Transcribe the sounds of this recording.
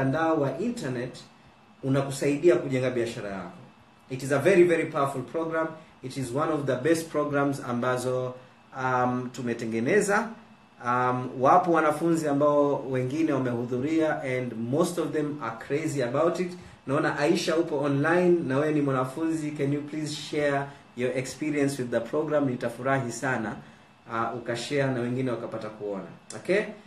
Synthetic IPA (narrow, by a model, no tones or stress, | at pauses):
andaɔwaʔintanɛt | unakusaiɗiakuʄɛŋɡaɓiaʃaɾa̰ja̰kɔ | itizəvɛɹivɛɹipawafulˠpʰɹɔɡɾãmitizwãnɔvðəbɛst̚pʰɹɔɡɾãmza̰mbazɔ | amtumɛtɛŋɡɛnɛza | mwapɔwanafunziambaɔwɛŋɡinɛwamɛhuðuɾiaʔɛ̃ndmostɔvðɛ̃makʰɾeziabawtit | naɔnaʔaiʃaupɔɔnlajnːawɛɛnimwanafunzikɛnjuplizʃɛ | jɔɛkspiɾiɛ̃nswiðːəpʰɹɔɡɾamnitafuɾaɦisana | ukaʃɛanawɛŋɡinɛwakapatakuɔna̰ɔke